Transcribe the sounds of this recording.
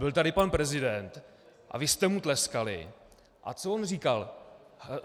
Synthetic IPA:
bɪlt̪adɪpanpɾɛzɪdɛnt̪ | ʔa̰vɪst̪ɛmut̪lɛskalɪ̰ | ʔa̰t͡soʔonriːkal

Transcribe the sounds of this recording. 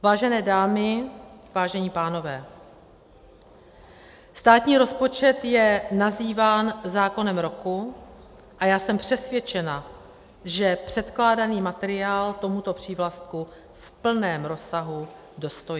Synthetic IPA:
vaːʒɛnɛːdaːmɪvaːʒɛɲiːpaːno̞vɛː | st̪aːt̪ɲiːɾo̞spo̞t͡ʃɛt̪jɛnaziːvaːnzaːko̞nɛmɾo̞ku | ʔajaːsɛmpr̥ɛsvjɛt͡ʃɛna | ʒɛpr̥ɛt̪klaːdaniːmat̪ɛɾɪaːlt̪o̞mut̪o̞pr̝̥iːvlast̪̚ku | fpl̩nɛːmɾo̞saɦu | do̞st̪oji

